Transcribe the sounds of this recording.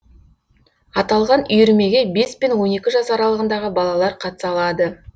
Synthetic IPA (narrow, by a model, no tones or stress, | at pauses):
ɑt̪ɑlˠʁɑnʏjʏɾme̞ɡʲe̞be̞spenwo̞ne̞kʲɪʒɑsɑɾɑlˠəʁənd̪ɑʁəbɑlˠɑlˠɑɾqʰɑt̪ə̥sɑlˠɑd̪ə